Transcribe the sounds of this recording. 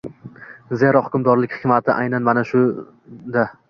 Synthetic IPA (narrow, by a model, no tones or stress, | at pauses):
zeɾɒhʊkʲʊmd̪ɒɾlɪkʲχɪ̥kʲmat̪ʰɪʔajnanmanaʃʊ | d̪a